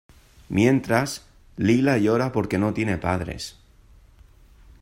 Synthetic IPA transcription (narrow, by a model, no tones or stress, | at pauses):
mje̞nt̪ɾas | lilajo̞ɾapo̞ɾke̞no̞t̪je̞ne̞pað̞ɾḛs